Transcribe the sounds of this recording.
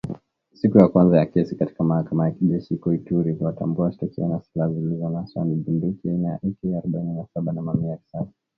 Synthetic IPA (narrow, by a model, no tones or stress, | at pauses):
sikujakwanzajakɛsikati̥kamahakamajakiʄɛʃikɔituɾikuatambuaʃi̥tɔkɛanasi̥lazilizɔnaswa̰nivimdikiainaja̰ʔikiaaɾuɓaininasaɓanamamiaki̥sasḁ